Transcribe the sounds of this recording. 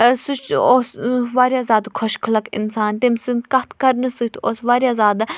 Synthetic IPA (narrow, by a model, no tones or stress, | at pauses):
sut͡ʃosʋaːɾʲjaːzaːd̪kʰɔʃkʰəlɐkɪ̰nsaːnt̪emsɨnkɐt̪ʰkɐɾnɨsɨt̪ʰoːsʋaːɾjaːzaːd̪